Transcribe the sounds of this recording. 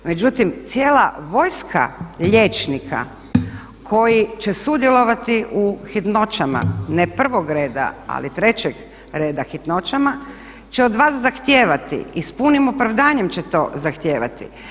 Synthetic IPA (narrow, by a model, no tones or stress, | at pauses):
me̞d͡ʑut̪imt̪sjeːlaʋo̞jskʰa̰ʎe̞t͡ʃnikʰa̰ | kʰo̞jit͡ɕe̞sud̪jelˠo̞ʋat̪iʔuxit̪no̞t͡ʃama̰nepr̩ʋo̞ɡɾe̞ːd̪a̰a̰lit̪ɾe̞t͡ɕeɡ | ɾe̞ːd̪axit̪no̞t͡ʃama | t͡ɕeod̪ʋaːszaxt̪je̞ːʋat̪ḭispunimopɾaʋd̪aːɲe̞mt͡ɕet̪o̞̰zaxt̪jeːʋa̰t̪ḭ